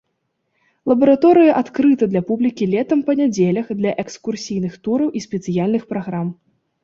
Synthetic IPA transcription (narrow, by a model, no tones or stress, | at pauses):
lˠɐbɐɾat̪ɔɾɨjɐʔat̪kɾɨt̪ɐd̪lʲɐpublʲikʲilʲɛt̪ɐmpɐnʲad͡zʲelʲɐxd̪lʲɐʔɛkskursʲijnɨxt̪uɾɐwʔisʲpʲɛt̪sɨjalʲnɨxpɾaɣɾam